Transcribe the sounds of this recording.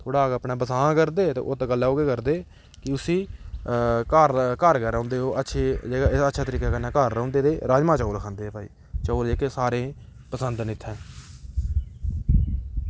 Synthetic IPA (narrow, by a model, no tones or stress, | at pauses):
t̪ʰoːɽaːɡəpnãːbəsãːkəɾd̪eːt̪ḛːʔoːt̪aːɡəlːaːoːɡeːkəɾd̪eː | kɪʊsĩː | kaɾkəɾkɛːɾə̃ːnd̪eːɦoːʔətːʃʰeːd͡ʒeːɡaɪətːʃʰaːt̪əɾiːkaːkənːaːkəɾːə̃ʊ̃ːnd̪eːt̪eːɾaːd͡ʒmãːt͡ʃaːlkʰãːnd̪eːɛːpaːḭː | t͡ʃoːleːkeːsaːɾẽː | pəsənd̪nɪt̪ʰːɛ̃ː